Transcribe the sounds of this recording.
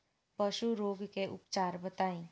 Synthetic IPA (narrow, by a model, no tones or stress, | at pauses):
pɐʃuɾoːɡkeʔʊpt͡ʃaːɾbɐt̪aːĩː